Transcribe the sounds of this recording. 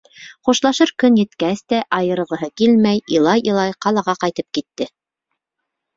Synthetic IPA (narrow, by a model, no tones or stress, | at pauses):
χuʃlˠɑʃɤɾkɵnjɘ̆t̪kæst̪æʔɑjɤ̆ɾɤ̆ʁɤ̆ɦɤkilmæjilˠɑjʔɤ̆lˠɑjqɑlˠɑʁɑqɑjt̪ɤp̚kit̪ːɘ